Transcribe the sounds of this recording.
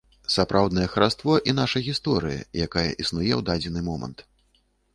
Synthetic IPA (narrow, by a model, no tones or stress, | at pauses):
sapɾʔawd̪nɐjɛxɐɾast̪vɔʔinaʂɐɣʲist̪ɔɾɨjɐ̰jakajɐ̰ʔisnujɛwd̪ad͡zʲɛnɨmɔmɐ̰nt̪